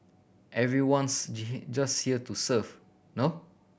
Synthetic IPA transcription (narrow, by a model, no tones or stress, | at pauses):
ʔɛvɹiwɔ̃nsd͡ʒashiətusəv | no